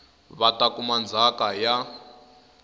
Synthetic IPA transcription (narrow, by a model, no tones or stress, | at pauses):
βatʼakumand͡zʱakaja